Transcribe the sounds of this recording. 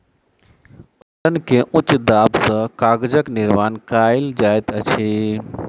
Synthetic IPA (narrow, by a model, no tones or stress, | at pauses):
ʈənkeʔʊt͡ʃːd̪aːbsə̃kaːɡd͡ʒəknɪɾmaːnkaɪld͡ʒaːjt̪ət͡ʃʰi